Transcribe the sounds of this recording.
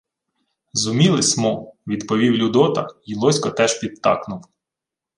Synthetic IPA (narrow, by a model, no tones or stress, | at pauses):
zʊmʲilˠɪsʲmɔʋʲid̪pɔʋʲiwlʲʊd̪ɔt̪ɐ̰ilˠɔsʲkɔt̪ɛʒpʲid̪̚t̪ːɑ̰knʊw